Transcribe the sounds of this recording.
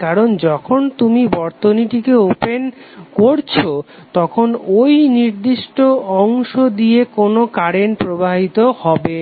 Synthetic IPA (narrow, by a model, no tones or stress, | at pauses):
kaɾond͡ʑɔkʰont̪umibɔɾt̪oniʈikeopenkoɾt͡ɕʰot̪ɔkʰonojniɾd̪iʃʈoɔŋʃod̪iekonokaɾenpɾobaɦit̪ohɔbe